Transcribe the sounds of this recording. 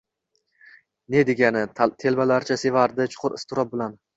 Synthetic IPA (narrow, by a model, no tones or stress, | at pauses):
ne̞d̪e̞ɡʲanɪt̪ʰe̞lbalaɾt͡ʃʰase̞vaɾd̪ɪt͡ʃʰʊ̥qʰʊɾɪst̪ʰʊɾɒp̚bɪlan